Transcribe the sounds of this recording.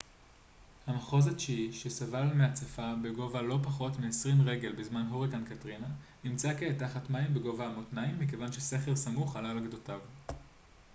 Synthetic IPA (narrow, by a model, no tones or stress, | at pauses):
hamaχo̞zat͡ʃiiʃesavalmeat͡safabe̞ɡo̞valo̞paχo̞tmeesʁimʁe̞ɡe̞lbizmanɦoʁikankatʁinanimt͡sakeːtaχatmaimbe̞ɡo̞vaːmotnaimːike̞vanʃese̞χeʁsamuχalalaɡdotav